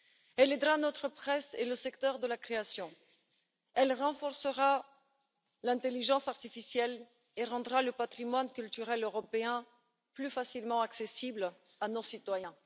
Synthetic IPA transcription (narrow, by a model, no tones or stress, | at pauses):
ɛled̪ʁanɔt̪χəpχɛsḛləsɛkt̪œʁd̪əlakχeasjɔ̃ | ɛlʁɑ̃fɔʁsəʁa | lɛ̃t̪eliʒɑ̃saʁt̪ifisjɛl | eʁɑ̃d̪ʁaləpat̪χimwankʲylt̪yʁɛløʁɔpeɛ̃ | plyfasilmɑ̃aksesibl | anosit̪wajɛ̃